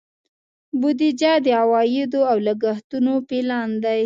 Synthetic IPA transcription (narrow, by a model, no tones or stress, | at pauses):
bʊd̪id͡ʒad̪əawɑjɪd̪oawlaɡaxt̪unopelɑnd̪aj